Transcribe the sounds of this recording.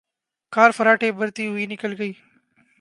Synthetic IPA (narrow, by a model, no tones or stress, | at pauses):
kaːɾfəɾaːʈʰeːbəɾt̪iːɦʊiːnɪkəlɡəiː